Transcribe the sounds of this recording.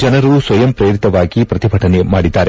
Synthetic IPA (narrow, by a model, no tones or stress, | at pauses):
d͡ʒɐnɐɾusʋɐjɐmpɾeːɾit̪ɐʋaːɡipɾɐt̪ibʱɐʈʰɐnemaːɽid̪ːaːɾe̞